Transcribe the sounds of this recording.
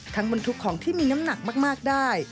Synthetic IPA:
t̪ʰaː˦˥ŋba˧nt̪ʰu˦˥kʰːɔː˩˦ŋt̪ʰiː˥˩miː˧na˦˥mna˨˩k̚maː˥˩k̚maː˥˩k̚daː˥˩j

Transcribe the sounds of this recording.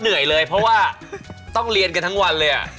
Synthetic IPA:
nɯ˨˩˦əjlɤː˧jpʰɾɔ˦˥waː˥˩ | t̪ɔ˥˩ŋɾi˧ənka˧nt̪ʰa˦˥ŋwa˧nlɤː˧jʔa̰˨˩

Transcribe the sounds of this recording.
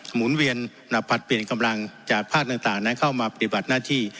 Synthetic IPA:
muː˩˦˥nwi˧ən | na˨˩pʰːa˨˩t̪̚pli˨˩ənka˧mla˧ŋt͡ɕaː˨˩k̚pʰaː˥˩k̚t̪a˧ŋt̪aː˨˩ŋna˦˥nkʰa˥˩wmaː˧pa˧t̪i˨˩ba˨˩t̪̚naː˥˩t̪ʰiː˥˩

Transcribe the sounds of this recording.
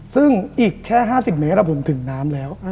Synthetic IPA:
sɯ˥˩ŋʔiː˨˩kʰːɛː˥˩ɦaː˥˩si˨˩p̚me˦˥t̪ɾa˧pʰo˨˩˦nt̪ʰɯ˨˩˦ŋnaː˦˥mlɛː˦˥w

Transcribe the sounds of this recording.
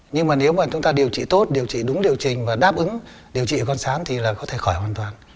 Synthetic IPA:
ɲɨ˧ŋmaː˨˩ne˨˦wmaː˨˩t͡ɕʊ˨˦ŋ͡mt̪aː˧ɗi˨˩əwt͡ɕḭ˧˨t̪o˦˥t̚ɗi˨˩əwt͡ɕḭ˧˨ɗʊ˨˦ŋ͡mɗi˨˩əwt͡ɕï˨˩ŋ̟vaː˨˩ɗaː˦˥p̚ʔɨ˨˦ŋ | ɗi˨˩əwt͡ɕḭ˧˨˩kɔ˧nsaː˨˦nt̪ʰi˨˩laː˨˩kɔ˨˦t̪ʰe˧˩xɔ˧˩jhwaː˨˩nt̪waː˨˩n

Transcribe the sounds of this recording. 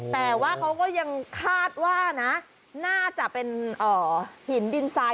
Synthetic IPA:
t̪ɛː˨˩waː˥˩kʰa˦˥wkɔː˥˩ja˧ŋkʰaː˥˩t̪̚waː˥˩na˦˥ʔ | naː˥˩t͡ɕa˨˩ʔpe˧nʔɔː˨˩hi˩˦ndi˧nsaː˧

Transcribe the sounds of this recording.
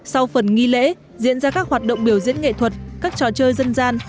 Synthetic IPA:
sa˧wfə˨˩nŋi˧lḛ˧˥ | zḭ˧˥ənzaː˧kaː˦˥k̚hwaː˨˩t̚ɗə̰˧˨wŋ͡mɓi˧˩əwzḭ˧˥ənŋḛ˧˨t̪ʰwə˨˩t̚kaː˦˥k̚t͡ɕɔ˨˩t͡ɕəː˧jzə˧nzaː˧n

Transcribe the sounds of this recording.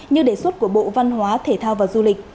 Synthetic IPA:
ɲɨ˧ŋɗe˧˩swə˦˥t̚ku˧˩əɓo̰˧˨va˧nɦwaː˨˦t̪ʰe˧˩t̪ʰaː˧wvaː˨˩zu˧lï˨˩k̟̚

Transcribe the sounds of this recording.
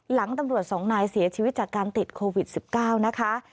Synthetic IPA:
la˩˦ŋt̪a˧mɾu˨˩ət̪̚sɔː˩˦ŋnaː˧jsi˩˦ɐt͡ɕʰiː˧wi˦˥t̪̚t͡ɕaː˨˩kːaː˧nt̪i˨˩t̪̚kʰoː˧wi˨˩t̪̚si˨˩p̚kaː˥˩wna˦˥kʰa˦˥

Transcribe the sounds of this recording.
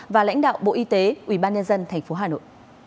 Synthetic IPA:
vaː˨˩la̰˧˥jŋ̟ɗa̰ː˧˨wɓo̰˧˨ʔi˧t̪e˨˦ʔwi˧˩ɓaː˧nɲə˧nzə˧nt̪ʰɛ˨˩ŋ̟fo˨˦ɦaː˨˩no̰˧˨jʔ

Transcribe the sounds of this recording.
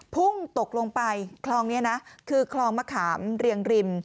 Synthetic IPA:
pʰu˥˩ŋt̪o˨˩k̚lo˧ŋpa˧jkʰlɔː˧ŋni˦˥ɐna˦˥kʰɯː˧kʰlɔː˧ŋmaː˧kʰaː˩˦mɾi˧əŋɾi˧m

